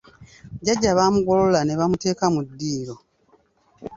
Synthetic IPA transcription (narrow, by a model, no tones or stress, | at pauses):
ɟaɟːaβamuɡo̞lolane̞βamute̞ːkamudːiːɾo̞